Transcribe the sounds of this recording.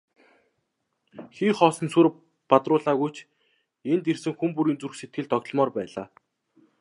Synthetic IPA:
xiːχɔːsɞ̆nsur | pat̪rʊːɮaːɣujt͡ɕʰ | ent̪ersɘ̆ŋxumpuɾiːnt͡surxset̪̚ɡɘ̆ɮt̪ɔɣt̪̆ɮmɔːrpæːɮaː

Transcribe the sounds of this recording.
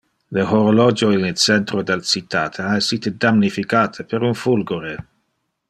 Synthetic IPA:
lehoɾolɔd͡ʒoinit͡ʃɛnt̪ɾod̪elt͡ʃit̪ːaːt̪ʰeaesːiːt̪ed̪amnifikaːt̪ʰəpeɾunfulɡoɾe

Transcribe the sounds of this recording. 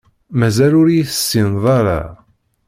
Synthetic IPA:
mæzælʊɾjθə̥sːinðˤɑɾˤa̰

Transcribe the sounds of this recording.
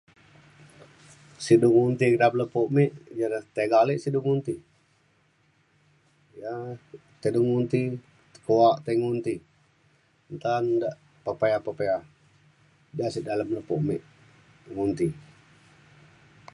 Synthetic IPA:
siduŋunt̪ikədapləpoʔmiʔd͡ʒanaht̪eɡaliʔsiduŋunt̪i | ja | t̪eduŋunt̪i | t̪ə̥koaʔt̪eŋunt̪i | nt̪andaʔ | pəpaapəpea | d͡ʒasiʔdaləmləpuʔmiʔ | ŋunt̪i

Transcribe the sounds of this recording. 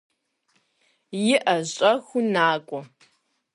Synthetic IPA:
jɪʔɐɕʼɐxʷʊnaːkʷʼɔ

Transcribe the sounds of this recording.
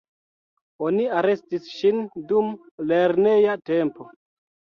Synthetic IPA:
oniaɾe̞stisʃindum | leɾnejate̞mpo

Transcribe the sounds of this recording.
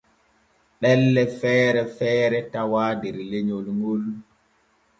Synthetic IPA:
ɓɛlːɛfɛːɾɛfɛːɾɛtawaːdɛɾleɲolŋɡol

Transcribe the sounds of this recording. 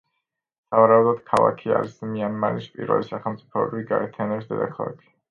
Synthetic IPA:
savaɾaud̪ɔd̪̥kʰalˠa̰kʰia̰ɾismianmanispʼḭɾvɛ̰lisaχɛlˠmt̪sʼi̥pʰɔbɾiiɡaɛt̪ʰianɛbsd̪ɛd̪a̰kʰalˠa̰kʰi̥

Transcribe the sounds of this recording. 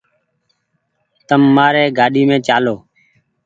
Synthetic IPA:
t̪əmːaːɾeːɡaːɗiːmẽːt͡ʃaːloː

